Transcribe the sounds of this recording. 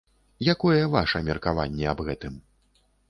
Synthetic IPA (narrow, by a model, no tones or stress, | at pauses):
jakɔjɛvaʂɐmʲɛrkava̰nʲːɛabɣɛt̪ɨm